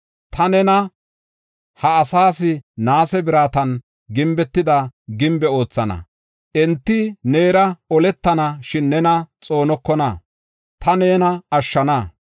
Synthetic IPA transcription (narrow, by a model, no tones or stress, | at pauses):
t̪ʰɐnɛnɐ | hɐːsaːsɪnaːsɛbɪɾaːt̪ɐn | ɡɪmbɛt̪ːɪd̪ɐɡɪmbɛo̞ːt͡sːɐnɐ̰ | ʔɛnt̪ːɪne̞ːɾɐɔlɛt̪ːɐnɐʃɪnːɛnɐt͡sʼo̞ːnɔkːɔnɐ̰ | t̪ɐneːnɐɐʃːɐnɐ